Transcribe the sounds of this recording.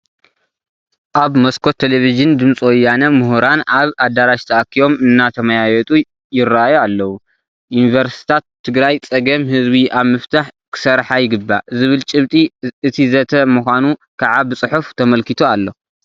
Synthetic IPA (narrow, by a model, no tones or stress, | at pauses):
ʔaβmɐskʰot̪ʰːeleviʒɨnd̪ɨmt͡sʼwɔjːanɐmuɦuɾanʔaβad̪aɾaʃt̪ʰɐʔakːijo̞mɨnːat̪ʰɐmajajɛt̪ʼu | jɪraajualːɐwu | junivɐɾst̪i̥t̪ʰat̪ʰːɨɡɾajt͡sʼɐɡɐmhɨzbiʔaβmɨft̪ʰaħkʰɨ̥sɐɾħajɪɡɨbːa̰zɨβɨlt͡ʃʼɨβt̪ʼiɨt̪ʰizɐt̪ʰɐmuxʷanu | kʰaʕabɨt͡sʼɨħuft̪ʰɐmɐlkit̪ʰualːo̞